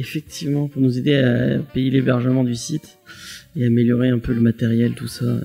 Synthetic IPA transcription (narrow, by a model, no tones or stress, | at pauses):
efɛk̚t̪ʰivmɑ̃puʁnuzed̪eapejelebɛʁʒəmɑ̃d̪ysit̪ | eameljɔʁeɛ̃pøləmat̪ɛʁjɛlt̪usa̰